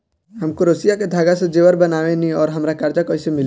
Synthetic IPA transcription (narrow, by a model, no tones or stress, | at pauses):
ɦəmkoɾosijaked̪ʱaɡasẽd͡ʒeʋəɾbənaʋeniɔːɾɦəmɾakaɾd͡ʒakɔisemil